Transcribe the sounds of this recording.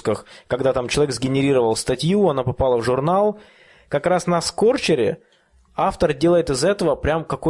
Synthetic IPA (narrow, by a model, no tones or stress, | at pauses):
kəxkɐɡd̪at̪amt͡ɕɪlˠɐvʲeɡzɡʲɪnʲɪɾʲiɾəvəlˠst̪ɐtʲjuɐnapɐpalˠəvʐʊrnalˠ | kɐkrasnɐsko̞rt͡ɕɪɾʲɪ̰ | aft̪ərdʲelˠəjɪt̪ɨzɛt̪əvəpɾʲamkɐko